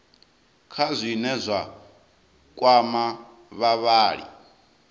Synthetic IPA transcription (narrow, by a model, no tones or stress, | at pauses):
kʰazʷinɛzʷa | kʼwama | βaβaːɺḭ